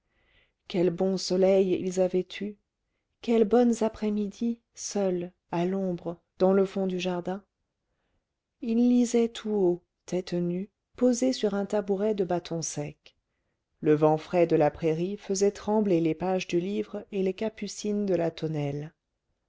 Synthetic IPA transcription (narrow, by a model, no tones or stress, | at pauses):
kʲɛlbɔ̃sɔlɛjḭlzavɛt̪ʰy | kʲɛlbɔnzapχɛmid̪i | sœl | alɔ̃bʁə | d̪ɑ̃ləfɔ̃d̪yʒaʁd̪ɛ̃ | ilːizɛt̪ʰuo | t̪ɛt̪ny | pozesyʁɛ̃t̪abuʁɛd̪əbat̪ʰɔ̃sɛk | ləvɑ̃fχɛd̪əlapχeʁifəzɛt̪χɑ̃blelepaʒd̪ylivʁelekapysind̪əlat̪ɔnɛl